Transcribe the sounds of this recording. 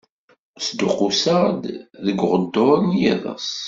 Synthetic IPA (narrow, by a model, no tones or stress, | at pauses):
sd̪ʊqusad̪ðəɡʷʁəd̪ːʊˤənjiðˤə̰s